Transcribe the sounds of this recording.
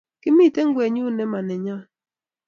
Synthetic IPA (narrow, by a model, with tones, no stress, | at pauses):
ki˦mi˦˨te˦ŋ̩˦ɡʷe˨ɲu˦ne˦ma˨ne˨ɲa˦